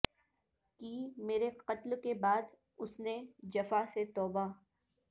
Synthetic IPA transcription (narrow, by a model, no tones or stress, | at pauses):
kiːmeːɾeqɐt̪lkebaːd̪ | ʊsned͡ʒɐfaset̪ɔːba